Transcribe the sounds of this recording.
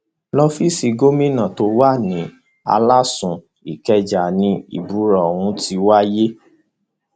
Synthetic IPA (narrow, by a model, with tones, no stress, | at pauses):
lɔ˧fi˦si˧ɡo˦mĩ˦nã˨to˧˦wa˦˨nĩ˨˦ | a̰˧la˦sũ˨ | i˨kɛ˧d͡ʒa˨nĩ˧˦ḭ˨bu˨˦ɾɔ˨wũ˧˦ti˧˦wa˦je˦